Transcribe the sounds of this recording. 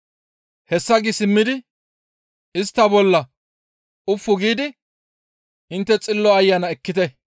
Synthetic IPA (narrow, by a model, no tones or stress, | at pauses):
hɛsːɐɡɪsɪmːɪd̪ɪ | ɪst̪ːɐbɔlːɐ | ʊfːʊɡiːd̪ɪ | ɪnt̪ːɛt͡sʼɪlːɔɐjːɐnɐɛkːɪt̪ɛ